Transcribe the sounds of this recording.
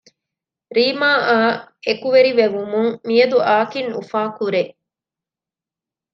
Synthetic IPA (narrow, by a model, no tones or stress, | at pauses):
ɾiːmaːaːekuʋeɾiʋeʋumuŋmijɐd̪uʔaːkinṵfaːkuɾeʔ